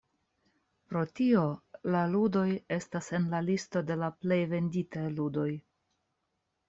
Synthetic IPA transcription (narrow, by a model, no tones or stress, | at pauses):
pɾo̞tio̞laludo̞je̞stasenlalisto̞de̞laple̞jve̞nditajludo̞j